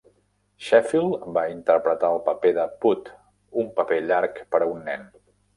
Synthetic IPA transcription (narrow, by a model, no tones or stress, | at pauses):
ʃɛfilˠbaint̪əɾpɾət̪aəlˠpəpeðəput̪ | umpəpeʎaɾkpəɾəunːɛn